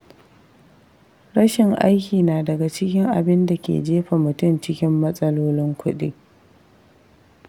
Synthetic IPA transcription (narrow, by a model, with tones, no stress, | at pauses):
ɽɐ˦ʃɪ˨ŋʔa̰˦jkʲiː˨naː˨dɐ˨ɡa˨t͡ʃɪ˦kʲɪ˦ŋʔa̰˨bɪ˦nda˨kʲḛ˨d͡ʒeː˦ɸa˨mʊ˨tʊ˦˨mt͡ʃɪ˦kʲɪ˦mːɐ˦sʼɐ˦loː˦lɪ˦ŋkʷʊ˦ɗḭː˦